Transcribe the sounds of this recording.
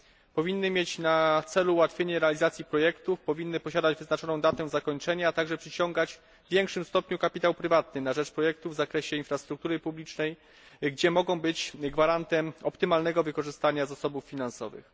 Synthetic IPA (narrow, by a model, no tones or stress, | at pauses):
pɔvʲinːɘmʲjet͡ɕnat̪sɛluwat̪fʲjeɲɛɾɛalʲizat̪sʲjipɾɔjɛkt̪ufpɔvʲinːɘpɔɕad̪ad͡ʑvɘznat͡ʂɔnɔ̃w̃d̪at̪ɛ̃zakɔɲt͡ʂɛɲaːt̪aɡʐɛpʂɘt͡ɕɔŋɡad͡ʑ | vʲjɛŋkʂɘmst̪ɔpɲukapʲit̪awpɾɘvat̪nɘnaʐɛt͡ʂpɾɔjɛk̚t̪uvzakɾɛɕɛinfɾast̪ɾuk̚t̪uɾɘpublʲit͡ʂnɛj | ɡd͡ʑɛmɔɡɔ̃w̃bɘt͡ɕɡvaɾant̪ɛmɔpt̪ɘmalnɛɡɔvɘkɔʐɘst̪aɲazasɔbufːʲinansɔ̰vɘ̰x